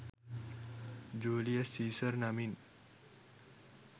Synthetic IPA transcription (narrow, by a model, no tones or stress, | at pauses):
d͡ʒuliasːisərnamin